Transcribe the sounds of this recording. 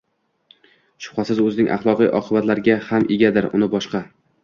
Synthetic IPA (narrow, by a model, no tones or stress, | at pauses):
ʃʊ̥χasɪzɵzɪnɪŋʔa̰χlˠɒqḭjʔɒ̰qʰɨbat̪laɾɡʲahamʔeɡʲad̪ɪɾʊ̰nɪbɒʃqɑ